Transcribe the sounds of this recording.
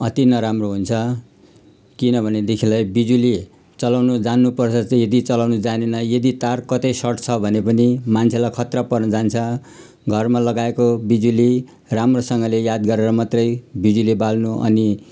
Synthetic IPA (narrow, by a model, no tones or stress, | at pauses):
ʌt̪inʌɾamroɦunt͡sʰʌ | kinʌbʱʌned̪ekʰilʌjbid͡zuli | t͡sʌlawnud͡zanːupʌrt͡sʰʌt͡sʌjʌd̪it͡sʌlawnud͡zanenʌjʌd̪it̪arkʌt̪ʌjsʌʈt͡sʰʌbʱʌnepʌnimant͡sʰelajkʰʌt̪rapʌrnʌd͡zant͡sʰʌ | ɡʱʌrmalʌɡaekobid͡zuli | ramrosʌŋɡʌlejad̪ɡʌɾeɾʌmat̪rʌjbid͡zulibalnuʔʌ̰ni